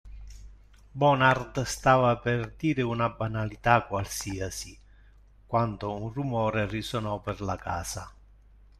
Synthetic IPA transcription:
bɔnard̪st̪aːvaperd̪iːɾɪunabanalit̪akwalsiːasi | kwand̪ounrumɔːɾerisonɔperlaka̰ːsa

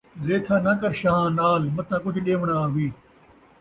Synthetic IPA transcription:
zeːt̪ʰãːnɐkəɾʃãːnaːlmɐt̪ʰãːk̬ʊd͡ʒʱɗeːʋɳaːaːʋiː

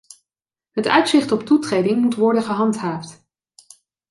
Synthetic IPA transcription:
ɦətœ̰ɥtsɪχtɔp̚tutrejdɪŋmutʋɔɹdənχəɦɑntɦaːft

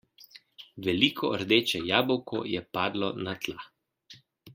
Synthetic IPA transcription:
ʋɛlikʰɔɾd̪eːt͡ʃɛjaːbɔwkɔjɛpaːd̪lɔnat̪la

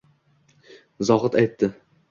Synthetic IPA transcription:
zɒʁɨt̪ajt̪ːɪ

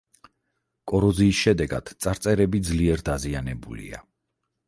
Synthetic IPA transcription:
kʼɔɾɔziːsʃɛd̪ɛɡa̰d̪̥t̪sʼaɾt̪sʼɛɾɛbid̪zliɛɾd̪azianɛbulḭa̰

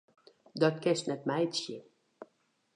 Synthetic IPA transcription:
dɔtkɛstnɛt̚mɛjtsjə

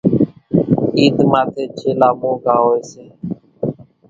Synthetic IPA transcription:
iːt̪maːt̪ʰeːt͡ʃʰeːlaːmõːɡaːɦoːeːseː

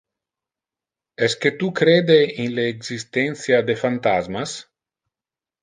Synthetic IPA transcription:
ɛsket̪ukɾeːd̪einleːɡzist̪ɛnsjad̪efant̪azmas

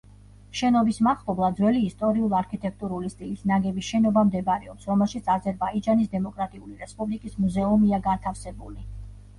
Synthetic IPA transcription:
ʃɛnɔbismaχlɔblˠad̪zwɛliːst̪ʼɔɾiulˠaɾkʰit̪ʼɛk̚ʰt̪ʼuɾulist̪ʼilisnaɡɛbisʃɛnɔbamd̪ɛbaɾɛɔpsɾɔmɛlˠʃit̪sʰazɛɾbaid͡ʒanisd̪ɛmɔkʼɾat̪ʼiuliɾɛspʼublikʼismuzɛumiaɡant̪ʰafsɛbuli

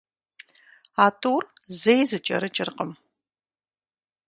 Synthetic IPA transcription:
aːtʰʼuːrzejzɨt͡ʃʼɐ̰ɾɨt͡ʃʼɪrqəm

